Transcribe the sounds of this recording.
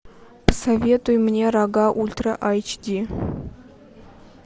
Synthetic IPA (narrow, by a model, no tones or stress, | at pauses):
pə̥savʲet̪ujmnʲeɾaɡɑʔulʲt̪rəʔajt͡ʃd̪ʲi